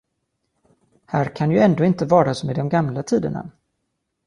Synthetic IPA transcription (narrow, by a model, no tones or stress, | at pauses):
hæːɾkʰanjɵɛnd̪oːɪnt̪əvɑːɾaɔsmed̪ɔmɡamlat̪ʰiːd̪əna̰